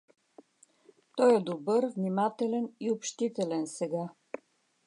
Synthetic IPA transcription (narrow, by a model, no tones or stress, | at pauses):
t̪ɔjɛd̪obɤɾvnʲimat̪ɛlɛniopʃt̪it̪ɛlɛnsɛɡa